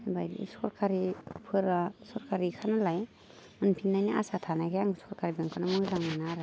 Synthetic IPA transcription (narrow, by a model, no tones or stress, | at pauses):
bajlḭsɔɾkʰaɾipʰɯɾasɔɾkʰaɾikʰanalaj | ɯnpʰinːajnaa̰satʰanaɡejaŋsʰɔɾkʰaɾibɯŋkʰɯnamɯzaŋanaɾɯ